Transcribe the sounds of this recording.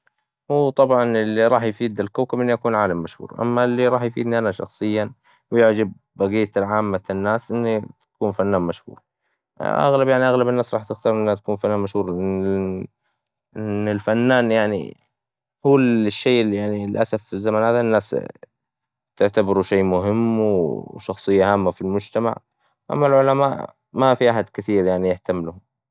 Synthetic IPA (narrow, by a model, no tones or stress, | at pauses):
hwuːt̪ˤɑbʕɑnɪlːiɾˤɑːħjfiːd̪ɪlkoːkabʔɪnːijakuːnʕaːlamːaʃhṵːɾˤʔa̰mːalːiɾˤɑːħjfḭːd̪niʔanaʃɑ̰xsˤɨjːa | wjɪʕd͡ʒab̚ːaɡiːt̪alʕaːmːanːaːsʔɪnːit̪ḁkuːnfanːaːnmaʃhṵːɾ | ʔa̰ɣlabjaʕniʔaɣlabɪnːaːsɾˤɑːħt̪ɪxt̪ɑɾˤʔɪnːhat̪ḁkuːnfanːaːnmaʃhuːɾˤɪ | ʔɪnːɪlfanːaːnjaʕnḭ | huːʃːeːljaʕnilʔasafɪzːamaːnhaːðanːaːs | t̪ɪʕt̪abɪɾuʃeːmʊɦɪmːwʃɑxsˤɨjːaɦaːmːafilmʊd͡ʒt̪ama̰ʕ | ʔa̰mːalʕʊlamaːʔ | mafiʔaħad̪kɪθiːɾjaʕnijɪht̪amːlʊhʊm